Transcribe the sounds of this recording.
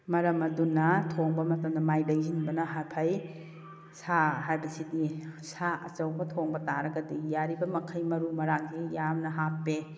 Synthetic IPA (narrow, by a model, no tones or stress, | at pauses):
mɐɾɐmɐdunɐtʰoŋbɐmɐtɐmdɐmajlɐŋzinbɐnɐɦapʰɐj | saɦajbɐsitdisaɐt͡ʃɐwbɐtʰoŋbɐtaɾɐɡɐdijaɾibɐmɐkʰɐjmɐɾumɐɾaŋzijamnɐɦapːe